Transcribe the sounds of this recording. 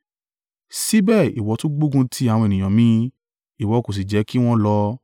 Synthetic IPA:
si˦bɛː˦˨i˨wɔ˨˧˦tũ˦ɡ͡bo˦ɡũ˧˦tʰi˦a˦˨wɔ̃˧e˨nĩ˨j̃ã˨mĩ˧˦ | i˨wɔ˨˧˦ko˨s̬i˨d͡ʒɛ˨˦ki˦w̃ɔ̃˦lɔ˧˦

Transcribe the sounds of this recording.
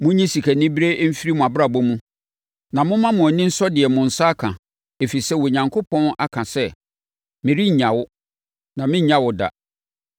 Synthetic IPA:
mʊ̃˦ɲĩ˦si˨kʰæ˨nɪ̃˦bi˦ɾe˦m̩˦fi˦ɾi˦mʊ̃˨a˨bɾa˨bɔ˦mũ˦ | nã˨mʊ̃˦mã˦mʊ̃˨ɔ˨nɪ̃˦n̩˦sɔ˦dɪ˨ɛ˨mʊ̃˨n̩˨sa˦kʰã˨ | e˨fi˨sɛ˦wo˨ɲã˨ŋkʰo˦pʰɔ̃˦na̰˦kʰã˨sɛ˦ | mɪ̃˨ɾi˦ɲ̩˨ɲã˨wʊ˦ | nã˨mɪ̃˦ɲ˦ɲã˦wʊ˨da̰˨

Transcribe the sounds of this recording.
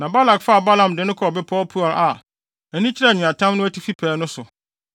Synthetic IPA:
nã˨ba˦la˨kfa˦˨ba˦lã˨m˨dɪ˨nʊ̃˦kʰɔ˨bɪ˦pʰɔː˦lpʰu˦ɔ˨lʔa˨ | ɛ˨nĩ˦t͡ɕʰɪ˦ɾɛ˦˨ɲĩ˨ã˨tʰã˦mnʊ̃˦æ˦tʰi˦fi˦pʰɛː˨˦nʊ̃˦sʊ˨

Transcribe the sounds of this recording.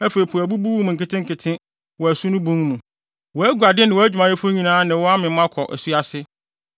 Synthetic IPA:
æ˦fe˨i˨pʰu˨æ˨bu˦bu˦wu˦m˨ŋ̩˨kɪ˨˦tʰɪ̃˦ŋ̩˨kʰɪ˨tʰɪ̃˦ | wɔ˨æ˨su˦nʊ̃˦bũ˦mnũ˨ | wɔ˨æ˦ɡu˨a˨dɪ˦nɪ̃˨wɔ˦æ˦d͡ʑᶣu˨mã˨je˦fʊ˦ɲĩ˨nãː˦nɪ̃˨wɔ˦a˦mɪ̃˨m˦ã˦kʰɔ˨ʔæ̰˨su˦a˦sɪ˦

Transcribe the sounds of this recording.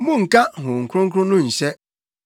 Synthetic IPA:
mʊ˦ŋ̩˨ka˦ɦʊ˨ŋ̩˨kɾʊ˦ŋ̩˦k̬ʊ˦nʊ˦n̩˨se˦

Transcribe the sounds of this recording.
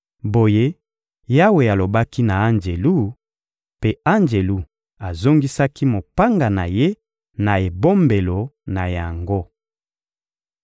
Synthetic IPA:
bo˨je˦ | ja˦we˨a˨lo˨ba˦ki˦na˨a˦nd͡ʒe˨lu˦˨ | pe˦a˦nd͡ʒe˨lu˦ | a˨zo˦ŋɡi˦sa˦ki˦mo˨pa˦ŋɡa˨na̰˨je˦ | na˨e˨bo˦mbe˨lo˨na˨ja˨ŋɡo˦

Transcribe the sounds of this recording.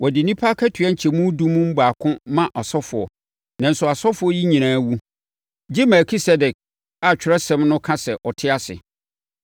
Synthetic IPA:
wɔ˨dɪ˨nĩ˦pʰaː˦kʰɛ˦tʰɥɛ˦ɲ̩˨t͡ɕʰɛ˨mũ˦dũ˦mũ˦m̩˦ba˨kʰʊ̃˦mã˦ʔɔ˨sɔ˦fʊ˨ɔ̰˨ | nã˨n̩˨sʊ˨a˨sɔ˦fʊ˨˦ɔ˦ji˦ɲĩ˨ñãː˨˦wu˦ | d͡ʑɪ˦mɛ˨kʰi˦sɛ˦dɛ˨k̚ | a˨t͡ɕᶣɪ˨ɾɛ˦sɛ̃˦mnʊ̃˦kʰã˦sɛ˨ʔɔ˨tʰɪ˦a˦sɪ̰˨

